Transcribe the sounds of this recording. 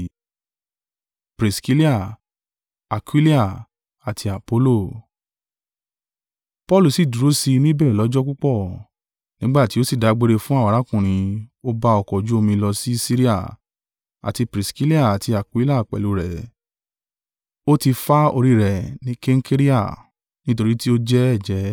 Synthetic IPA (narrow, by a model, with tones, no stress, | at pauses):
pɾi˨ski˦li˦a˦˨ | a˨kwi˦li˦a˦˨ | a˨tʰi˧a˨po˦lo˦˨ | pɔ˦lu˨si˦˨du˨ɾo˨˦si˧nĩ˦bɛ˦˨ɛ˨lɔ˨˦d͡ʒɔ˦ku˦k͡pɔ˦˨ | nĩ˦ɡ͡ba˦˨ti˨˦o˦si˦˨da˨˦ɡ͡be˦ɾe˧fũ˦a˦˨a˨ɾa˨˦kũ˦˨ɾ̃ĩ˧o˦ba˧ɔ˨kɔ˨d͡ʒu˨˦o˧mĩ˧lɔ˧si˦si˦ɾi˦a̰˦˨ | a̰˨ti˧pɾi˨ski˦li˦a˦˨a˨tʰi˧a˨kwi˦la˦˨k͡pɛ̰˨lu˨˦ɾɛ˨ | o˦ti˧fa˦o˧ɾi˦ɾɛ˨nĩ˨˦ke˦ŋ̩˦ke˦ɾi˦a̰˦˨ | nĩ˦t̬o˧ɾi˦ti˦o˦d͡ʒɛ˦ɛ˦˨d͡ʒɛ˨˦